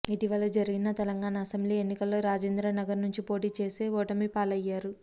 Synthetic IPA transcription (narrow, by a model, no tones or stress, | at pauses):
iʈiʋɐlɐd͡ʒɐɾiɡinɐt̪ɛlɐŋɡaːnɐːsɐmbliːenːikɐlːo̞ːɾaːd͡ʒeːnd̪ɾanɐɡɐɾnuɲt͡ʃipo̞ːʈiːt͡ʃe̞ːse̞ːɔːʈɐmipaːlɐjːaːɾu